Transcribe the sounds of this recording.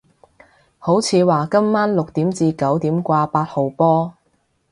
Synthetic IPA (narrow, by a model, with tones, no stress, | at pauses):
ho˨˥wt͡sʰiː˨˧waː˨kɐ˥mːaː˥nlʊ˨k̚t̪iː˨˥mt͡siː˧kɐ˨˥wt̪iː˨˥mkʷaː˧paː˧t̚ho˨˩wpɔː˥